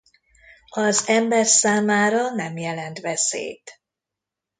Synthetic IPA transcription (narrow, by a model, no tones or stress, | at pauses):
ɒzɛmbɛrsaːmaːɾɒnɛmjɛlɛnt̪ʋɛsḛːt̪